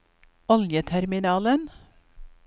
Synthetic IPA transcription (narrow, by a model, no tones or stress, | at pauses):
ɔljət̪ʰæɾmɪnɑːlən